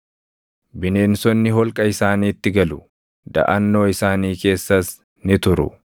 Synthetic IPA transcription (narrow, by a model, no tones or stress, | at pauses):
bɪne̞ːnsɔnːɪɦɔlkʼɐɪsaːniːt̪ːɪɡɐlʊ | d̪ɐ̰ʔɐnːo̞ːɪsaːniːke̞ːsːɐs | nɪt̪ʊɾʊ̰